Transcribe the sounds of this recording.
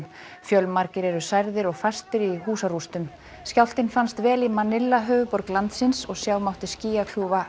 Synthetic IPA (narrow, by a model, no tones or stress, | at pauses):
m | fjœlmaɾcɪɾɛɾʏsajɾðɪɾɔɣfast̪ɪɾiɦuːsarust̪ʏm | scawl̥t̪ɪnfanst̪vɛːlimanɪlːaɦœːvʏpɔɾklant̪sɪnsɔɣsjaːwmawht̪ɪɾ̥sciːjakʰl̥juːva